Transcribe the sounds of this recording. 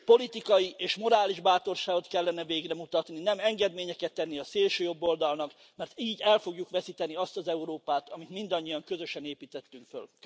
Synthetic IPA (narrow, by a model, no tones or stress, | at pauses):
po̞lit̪ikɒjiʔeːʃmo̞ɾaːliʒbaːt̪o̞rʃaːɡo̞t̪kɛlːɛnɛveːɡrɛmut̪ɒt̪ninɛmɛŋɡɛd̪meːɲɛkɛt̪ːɛnːiɒseːlʃøːjo̞bːo̞ld̪ɒlnɒk | mɛrt̪iːɟɛlfo̞ɡjukʋɛsit̪ɛniɒst̪ɒzɛuɾoːpaːt̪ɒmit̪mind̪ɒɲːijɒŋkø̞zø̞ʃɛneːpiːt̪ɛt̪ːyŋkfø̰l